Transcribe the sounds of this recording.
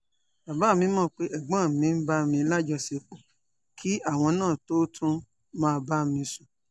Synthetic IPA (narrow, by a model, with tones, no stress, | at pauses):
ba˨ba˨˦˨mĩ˧˦mɔ̃˦˧k͡pe˦ʔɛ˦˨ɡ͡bã˦˨mĩ˨˧˦n̩˦ba˦mĩ˧˦la˦d͡ʒɔ˧˨se˧ku˨ | kʰi˦a˦˨w̃ɔ̃˧nãː˦˨to˦tʰũ˦ | mãː˦˧ba˦mĩ˧su˨